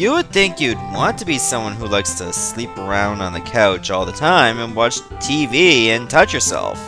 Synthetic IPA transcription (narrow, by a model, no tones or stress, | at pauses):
jɨwɨd̪̚θɪ̃ŋkjɨd̚wɑ̃ntʰɨbisʌ̃mwʌ̃nɦulaɪkstʰɨslipə˞ãʊ̃nd̃n̩ðɨkʰaʊt͡ʃɔlˠðətʰãɪ̃mɨ̃nwɑt͡ʃtʰiviɨ̃ntʰʌt͡ʃjə˞sɛ̰lˠf